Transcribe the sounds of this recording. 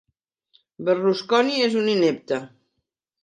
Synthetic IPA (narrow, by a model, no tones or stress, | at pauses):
bəruskɔniezuninep̚t̪ə